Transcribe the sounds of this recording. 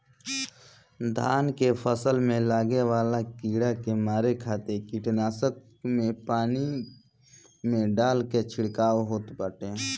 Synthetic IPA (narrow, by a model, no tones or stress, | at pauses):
d̪ʱaːnkepʰəsəlmẽlaːɡeʋaːlakiːɽakemaːɾekʰaːt̪ekiʈnaːsək | mẽpaːni | mẽɖaːlket͡ʃʰɪɽkaːwɦoːt̪pəʈe